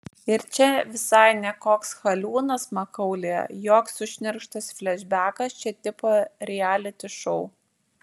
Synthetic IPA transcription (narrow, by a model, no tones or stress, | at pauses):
ɪɾt͡ʃʲɛʋʲɪsɐɪnʲɛkoːksxɐlʲuːnɐsmɐkɐʊlʲeːɛ̰joːksʊʃʲnʲɛɾʃt̪ɐsfʲlʲɛʒʲbʲæːkɐst͡ʃʲɛt̪ʲɪpoːɾʲɛæːlʲɪt̪ʲɪʃɔʊ